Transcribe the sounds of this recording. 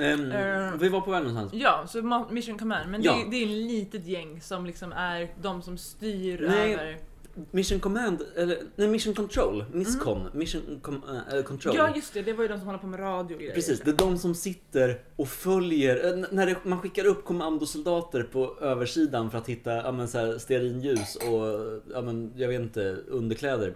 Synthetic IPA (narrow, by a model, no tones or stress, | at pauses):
ɪvaɾpʰɔvɛːɡnɔnsa̰nsjɑːsɔmɔmɪʂənkʰɔmænd̪mɛnd̪d̪ɛɾɛt̪liːt̪ət̪jɛŋːsɔmlɪksɔmæɾd̪ɔmsɔmst̪yːɾnɛøəɾ | mɪʂːənkʰɔmænd̪ɛlːənɛjmɪʂənkʰɔnt̪ʰɾolmɪskʰɔnmɪʂənkʰɔmɛ̰lːəkʰɔnt̪ʰɾoːɑːjɵst̪ɛd̪ɛvaɾjəd̪ɔmsɔmhɔlaɾpʰɔmɛɾɑːd̪ɪʊɡɾpɾɛsiːsd̪ɛd̪ɔmsɔmsɪt̪ːəɾ | ɔfœljəɾɛnæɖɛmanɧɪkːaɾɵpːkʰɔmand̪ʊsʊld̪ɑːt̪əɾpʰɔøːvəʂiːd̪anfœɾat̪hɪt̪ːaɑ̰ːmɛnsæːst̪eaɾiːnjʉ̟ːsɔjɑːmɛnjɑɡveːt̪ɪnt̪əɵnd̪əɾkʰlɛːd̪əɾ